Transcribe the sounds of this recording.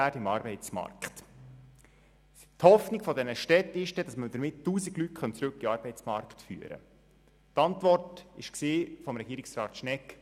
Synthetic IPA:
ætɪmɑɾbɛɪt͡smɑ̰rkt | thɔfnɪɡfɔdɛnəʃtɛtɪʃd̥ɛd̥ɑsməd̥əɾmɪtːuːsiɡlyt̚χœnt͡sɾʉkːiɑːɾbɛɪt͡smɑ̰ɾktfy̰ːəɾə̰ | tɑntʋɔrtɪʃksiːfɔmɾɛɡ̥iːɾɪksrɑːt̪ʃnɛk

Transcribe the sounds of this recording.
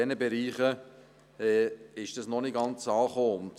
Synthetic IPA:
ɛnəbeɾiːχə | ɛːɪʃd̥ɑsnɔnɪɡɑnt͡sɑːχoːʊnt

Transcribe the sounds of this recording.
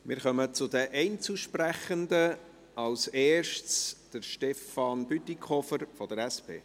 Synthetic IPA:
mɪːɾχœmət͡sʊd̪əʔɛɪnt͡suʃpræχənd̪ə | ɑlseːʃt͡sd̥əɾʃtɛfɑnbyt̪ikʰɔfəɾfɔd̪əɾɛspʰḛː

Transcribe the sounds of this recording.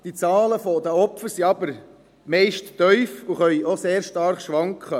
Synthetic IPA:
d̥it͡sɑːləfɔd̪əɔpfəɾsiɑbəɾ | mɛɪʃtːœʏfʊχœʏoseːɾʃtɑɾχʃʋɑŋkχə

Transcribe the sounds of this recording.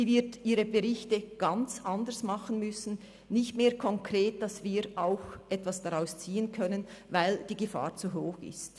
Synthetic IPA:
iːvɪɐtʔiːɾəbeʁɪçtəɡ̥ant͡sʔandəsmaχən̩mʏsn̩ | nɪçtmeːɐkʰɔŋkʁeːt̚d̥ɑsviːɾʔaʊxʔɛtv̥asd̥aʁaʊst͡siːənkʰœnənvaɪld̥iːɡəfa̰ːʁt͡suɦoːxɪ̰st

